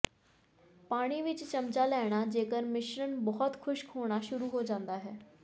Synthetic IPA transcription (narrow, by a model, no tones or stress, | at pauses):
paːɽ̃iːʋɪt͡ʃt͡ʃəmt͡ʃaːlɛːɽ̃aːd͡ʒeːkəɾmɪʃɾənbɔɦɔt̪kʰʊʃkʰoːɽ̃aʃʊɾuːɦoːd͡ʒãːnd̪aːɦɛː